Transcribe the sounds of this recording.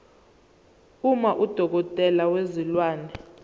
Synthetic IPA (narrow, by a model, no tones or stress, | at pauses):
umaʔud̥ʱɔk̬ɔtʼɛlawezilwaːnɛ